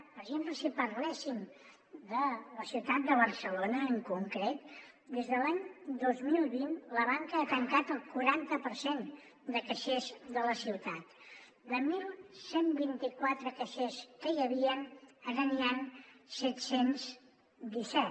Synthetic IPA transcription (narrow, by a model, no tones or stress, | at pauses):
pəɾəʒempləsipəɾlɛsim | d̪ələsiwt̪at̪̚d̪əβəɾsəlonəːŋkuŋkɾet̪ | d̪ezðəlaɲd̪ozmilˠβinləβaŋkəːt̪əŋkat̪əlˠkuɾant̪əpəɾsen | d̪əkəʃezðələsiwt̪at̪ | d̪əmilˠsembint̪ikwat̪ɾəkəʃeskəjəβiənənaniansɛt̪sens | d̪isɛ